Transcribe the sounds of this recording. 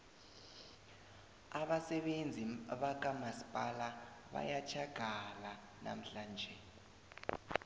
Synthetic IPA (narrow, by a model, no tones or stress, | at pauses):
aɓasɛɓend͡zʱiɓak̬ʼamasi̥pʼalaɓa̰jat͡ʃʰaɡ̥ʱala | na̰m̩ɬaːnd͡ʒʱɛ